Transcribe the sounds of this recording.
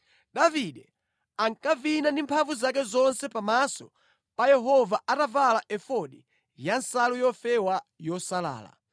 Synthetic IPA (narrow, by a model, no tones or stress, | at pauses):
ɗaviɗɛ | aŋkavinandimpʰavuzak̬ɛzɔnsɛpamasɔ̰ | pajɛɦɔvaʔatavalaʔɛfɔɗi | jansalujɔfɛwajɔsala̰ːla̰